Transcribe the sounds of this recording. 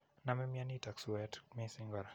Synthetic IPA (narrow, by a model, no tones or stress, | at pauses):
namɛmianitakswɛtmisiŋɡɔɾa